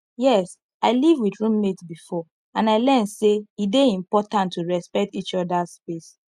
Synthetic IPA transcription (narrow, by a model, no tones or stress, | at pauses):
jɛs | aɪlivwiθɹũmːetbifɔ | ãnaɪlɛ̃nseideĩmpɔtãntʰːuɹɛspɛk̚tit͡ʃɔdaspes